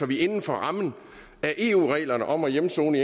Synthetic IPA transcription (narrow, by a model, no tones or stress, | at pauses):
ɒʋie̝nn̩fɒʁɑ̈mn̩ | æɐʔe̝ːṵːʁɛ̰ːlɐnəʔɒ̽mæjemso̝̰ːnəie